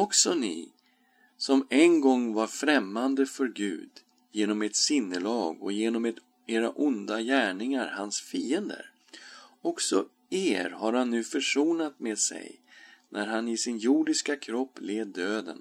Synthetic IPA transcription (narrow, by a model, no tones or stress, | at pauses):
ɔksɔnɪ̰ | sɔmɛnɡɔŋːvaɾfɾɛmːand̪əfœɾɡʉ̟̰ːd̪ | jeːnɔmɛt̪sɪnːəlɑːɡɔ̰jeːnɔmɛt̪ | eːɾaʔʊnd̪ajæːɳɪŋaɾhansfiːənd̪ə̰ɾ | ɔksɔ̰ | eːɾhaɾhanːʉ̟ːfœʂuːnat̪meːd̪sɛ̰jnʔæɾɦanɪsɪnjuːɖɪskakʰɾɔpːleːd̪øːd̪ə̰n